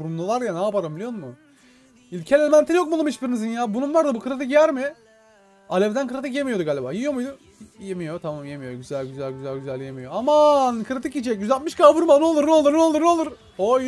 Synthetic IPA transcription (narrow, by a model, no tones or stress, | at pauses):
buɾumlˠulˠaɾjanaːpaɾɯmilʲijonmu | ilʲcʰelʲemænt̪ʰinjok̚malˠumit͡ʃbiɾinizinjaːbununlaɾd̪abukʰɯɾat̪̬ʰɯkijæɾmɪ | alʲɛvd̪ænkʰɯɾat̪ʰɯkjemijo̞d̪uɡaːlʲiba̰ːjijo̞mujd̪u | jemijot̪ʰamamje̞mijoɟyzælʲɟyzælʲɟyzælʲɟyzælʲje̞mijo̞amankʰɯɾat̪ʰɯkit͡ʃɛcɟyzalt̪mɯʃkabɯɾmanolˠuɾnolˠuɾnolˠuɾnolˠuɾ | o